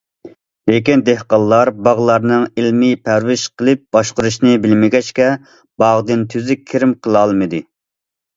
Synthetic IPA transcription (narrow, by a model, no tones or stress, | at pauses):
lekʲind̪ehqɑlˠːɑɾbɑʁlˠɑɾnɨŋilmipʰæɾwɪʃqʰəlˠɨp̚b̥ɑʃqʊɾuʃnɨbɪlmɪɡʲɛt͡ʃkʲɛ | b̥ɑʁd̪ɨnt̪ʰyzɪkʲʰiɾɪmqʰəlˠɑlˠmɨd̪ɨ